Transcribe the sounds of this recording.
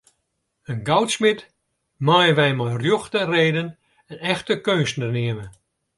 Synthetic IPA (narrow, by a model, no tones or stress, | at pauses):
ənɡɔwtsmɪt | mɔjəʋɛjmɔjrjoxtəreːdən | ənɛxtəkøːnsnərnɪəmə